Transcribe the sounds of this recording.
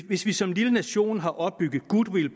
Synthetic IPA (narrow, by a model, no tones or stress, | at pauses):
ʋe̝sʋisɒ̽mlilənæɕo̝̰ːnɦɑ̈ʔɒ̽b̥̚ːyɡ̥ð̩ˠɡ̥ud̥wel